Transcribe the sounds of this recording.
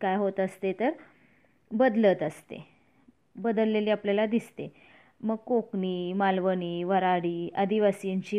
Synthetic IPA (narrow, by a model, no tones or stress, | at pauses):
kajɦot̪əst̪et̪əɾ | bəd̪lət̪əst̪ḛ | bəd̪əlːeliːapljalad̪ist̪e | məɡ̚kokniːmalʋəniːʋəɾaɽiːəd̪iʋasiɲt͡ɕiː